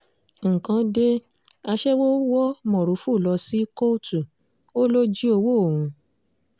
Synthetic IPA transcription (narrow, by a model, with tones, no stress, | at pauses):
ŋ̩˨kã˨˦de˦ | a˧ʃɛ˦wo˦wɔ˦mɔ̃˨ɾo˨˦fu˦˨lɔ˧si˦ko˦tu˨ | o˦lo˦d͡ʒi˦o˧wo˦o˨wũ˧˦